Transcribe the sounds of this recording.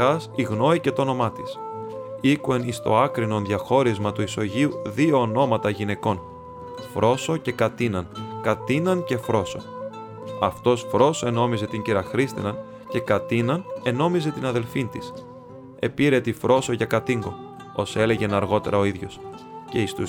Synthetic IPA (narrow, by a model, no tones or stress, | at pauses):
ɐsiɣno̞ice̞t̪oo̞no̞mɐt̪is | ikue̞nist̪o̞̰ɐkɾino̞nðʝɐxo̞ɾizmɐt̪uiso̞ʝiuðio̞ːno̞mɐt̪ɐʝine̞ko̞n | fɾʔo̞so̞ce̞kɐt̪inɐnkɐt̪inɐnce̞fɾo̞so̞̰ | ɐft̪o̞sfɾo̞soe̞no̞mize̞t̪iɲɟiɾɐxɾist̪ḭnɐn | ce̞kɐt̪inɐne̞no̞mize̞t̪inɐðe̞lfint̪is | e̞piɾe̞t̪ifɾo̞so̞ʝɐkɐt̪iŋɡo̞̰ | ose̞le̞ʝe̞nɐɾɣo̞t̪e̞ɾɐo̞iðʝo̞̰s | ce̞ist̪u